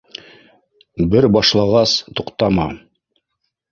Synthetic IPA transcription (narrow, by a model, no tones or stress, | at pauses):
bɘɾbɑʃlˠɑʁɑst̪uqt̪ɑmɑ